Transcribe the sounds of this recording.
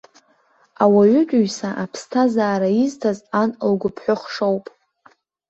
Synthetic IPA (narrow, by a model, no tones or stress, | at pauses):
awaɥʏt͡ʃʷʼɥsaʔapʰstʰazaːɾaiztʰazanlɡʷʊpʰħʷʊχʂowpʼ